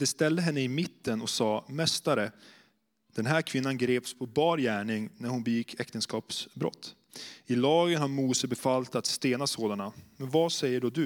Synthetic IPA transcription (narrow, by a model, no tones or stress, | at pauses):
d̪̥ɛst̪ɛld̪əɦɛnːəɪmɪt̪ːənɔsɑːmɛst̪aɾə | d̪̥ɛnɦæːɾkʰv̥ɪnːanɡɾeːpspʰɔbɑːɾjæːɳɪŋnæɾhʊnbɛjɪkʰːɛkt̪ənskɑːpsbɾɔ̰t̪ʰː | ɪlɑːɡənhaɾmuːsəbɛfalt̪at̪st̪eːnasoːd̪anamɛnvasɛjːəɖɔd̪ɵ